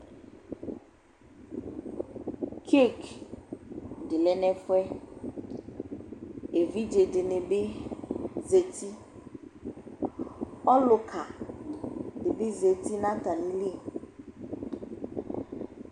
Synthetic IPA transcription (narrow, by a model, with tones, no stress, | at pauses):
kʰe˦k | dɪ˨lɛ˦nɛ˦fʊ˦ɛ˦ | e˨vi˦d͡ʒe˨dɪ˨nɪ˨bɪ˦ | ze˨ti˦ | ɔ˦lʊ˨kʰa˨ | dɪ˨bɪ˦ze˨ti˦na˦ta˨ni˦li˦˨